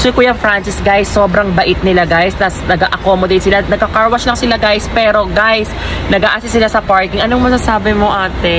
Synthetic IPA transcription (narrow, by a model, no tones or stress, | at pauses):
sokʊjɐŋfɾant͡ʃɪsɡajsːoːbɾɐŋbɐʔɪt̪̚nɪlaɡajst̪ɐsnɐɡaʔɐkomod̪ɛjt̪sɪlanɐɡ̚kɐkaɹwɐslɐŋsɪlaɡajspɛːɾo̞ɡajsnɐɡaːʔaːsɪsɪlasɐpaɹkɪŋʔɐnoŋmɐsasaːbɪmoʔaːt̪ɛ